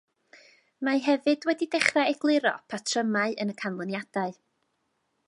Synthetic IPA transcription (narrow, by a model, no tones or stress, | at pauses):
maɦɛvɨdwɛdidɛχraɛɡlˠɪɾɔ̰pʰatʰrəmaɨənəkʰanlˠɔnjad̥aɨ